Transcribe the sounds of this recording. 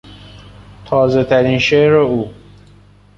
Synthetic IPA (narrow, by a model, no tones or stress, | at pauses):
t̪ʰɒːzet̪ʰæɾiːnʃeɾouː